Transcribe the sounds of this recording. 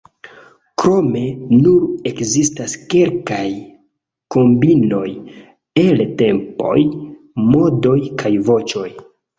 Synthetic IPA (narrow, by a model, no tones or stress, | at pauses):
kɾo̞me̞nuɾe̞kzistaske̞lkaj | ko̞mbino̞j | elte̞mpo̞̰j | mo̞do̞jkʰajvo̞t͡ʃo̞j